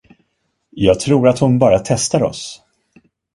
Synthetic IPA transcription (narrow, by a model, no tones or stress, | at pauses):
jɑːɡ̚t̪ʰɾuːɾat̪hʊnbɑːɾat̪ʰɛst̪aɾɔ̰s